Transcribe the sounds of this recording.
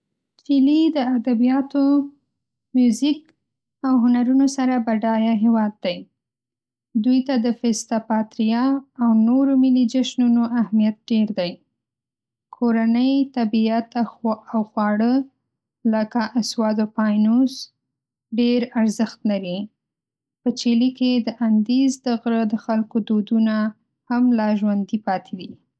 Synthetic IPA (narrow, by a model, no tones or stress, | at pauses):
filid̪əad̪abijɑt̪o | mjuzik | awɦʊnaɾunosaɾabaɖɑjaɦewɑd̪̚ːaj | d̪ujt̪ad̪əfɪst̪apɑt̪ɾijɑawnoɾomɪlid͡ʒaʃnunoʔahmijat̪̚ɖeɾd̪aj | kʰoɾanəjt̪abiat̪awxwɑɽə | ləkaʔaswɑd̪opɑjnos | ɖeɾaɾzəxt̪laɾi | pət͡ʃeliked̪əʔand̪ezd̪əɣɾəd̪əxalkod̪od̪una | hamlɑʒwand̪ipɑt̪ʰed̪i